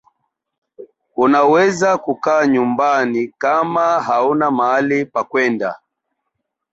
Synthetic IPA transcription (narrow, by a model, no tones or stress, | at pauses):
unawɛzakukaːɲumbanikamaɦaunamaalipakwɛnda̰